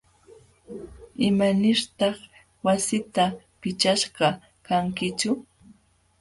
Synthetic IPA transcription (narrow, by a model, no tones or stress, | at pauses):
ɪmanɪɾt̪ɑχ | wasɪt̪a | pɪt͡ʃaʃɢɑ | kaŋkɪt͡ʃʊ